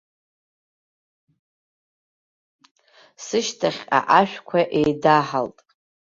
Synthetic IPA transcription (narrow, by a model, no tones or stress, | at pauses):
sɨʃtʰaχʲa̰ʔaʃᶣkʷʰaʔejdaħaltʼ